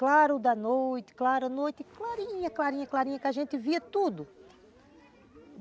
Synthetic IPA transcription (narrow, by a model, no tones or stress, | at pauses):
klaɾʊd̪ɐnojt̪ɪ̥klaɾɐnojt̪ɪklaɾĩɲɐklaɾĩɲɐklaɾĩɲɐkɪaʒẽnt̪ɪviɐt̪ud̪ʊ